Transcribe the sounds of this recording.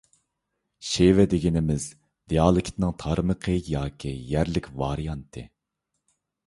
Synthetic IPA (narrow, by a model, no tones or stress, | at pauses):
ʃevɛd̪eɡʲinɪmɪz | d̪̥ijɑːlˠɨkʲʰt̪nɨŋt̪ʰɑɾməqʰəjɑːkʲʰijæɾlɪkʲvɑɾijɑnt̪ʰɨ